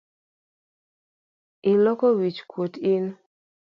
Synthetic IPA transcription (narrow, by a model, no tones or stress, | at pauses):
ɪlɔkowit͡ʃkwotɪn